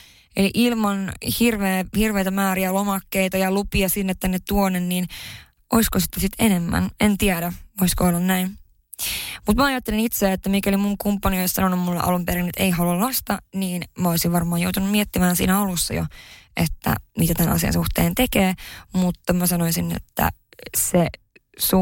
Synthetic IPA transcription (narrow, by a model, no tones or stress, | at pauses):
ḛliʔilmɑnhirʋeːhirʋeijt̪æmæːɾiælomɑkːeit̪ɑjɑlupiɑsinːet̪ːænːett̪uonːenniːn | ʔoiskosi̥t̪ːesit̪enemːæ̰nent̪iæɾæoiskoolːɑnnæin | mut̪mæɑjɑt̪ːelinit̪seet̪ːæmikæelimuŋkumpːɑnioissɑnonumːulːḛʔɑ̰lumpeɾinet̪eiɦɑlɑlnɑst̪ɑniːnmæoisiʋʋɑrmɑːjowt̪unummiet̪ːimæːnsḭːnæolusːɑ̰jo̰ʔet̪ːæ̰mit̪æt̪ænɑ̰siɑ̰nsuht̪eːnt̪e̞keːmut̪ːɑmæsɑnoisinḛt̪ːæ̰se | su